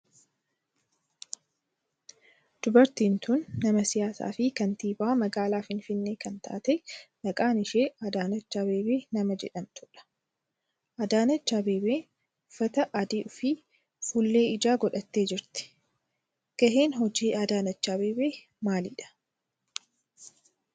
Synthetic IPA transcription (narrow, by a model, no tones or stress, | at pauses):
d̪̥ʊbɐɾt̪iːnt̪ʊnːɐmɐsɪjaːsa̰ːfɪkɐnt̪iːbaːmɐɡaːlaːfɪnfɪnːeːkɐnt̪ʰa̰ːt̪ɛnɐkʼaːnɪʃeːɐd̪aːnɐt͡ʃːaːbe̞ːbeːnɐmɐd͡ʒɛ̰ᶑɐmt̪ʰʊᶑɐ̥ | ʔɐd̪aːnɐt͡ʃːaːbeːbeː | ʊfːɐt̪ɐʔɐd̪iːʔʊfiː | fulːe̞ːɪd͡ʒaːɡɔᶑɐt̪ːe̞ːd͡ʒɪɾt̪ɪ̥ | ɡ̥ɐɦe̞ːnɦɔd͡ʒiːad̪aːnɐt͡ʃːaːbeːbeː | maːlɪᶑɐ̥